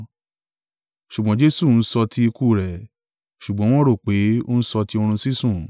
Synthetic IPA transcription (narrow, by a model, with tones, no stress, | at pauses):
ʃu˨ɡ͡bɔ̃˨˦d͡ʒe˦su˦˨n̩˦sɔ˧tʰi˦i˧ku˦˨ɾɛ˨ | ʃu˨ɡ͡bɔ̃˨˦w̃ɔ̃˦ɾo˦˨k͡pe˨˦o̰˦n̩˦sɔ˧ti˦o˧ɾ̃ũ˧si˦sũ˦˨